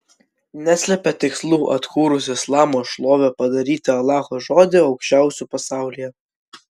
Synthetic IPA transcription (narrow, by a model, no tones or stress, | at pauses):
nʲæsʲlʲɛpʲɛt̪ʲɪkslˠuːʔɐt̪kuːɾʊsʲɪslˠɑːmoːʃlˠoːʋʲɛpɐd̪ɐɾʲiːt̪ʲɪɐlˠɑːxoːʒoːd̪ʲɪɒʊkʃʲt͡ʃʲæˑʊsʲuːpɐsɑˑʊlʲijɛ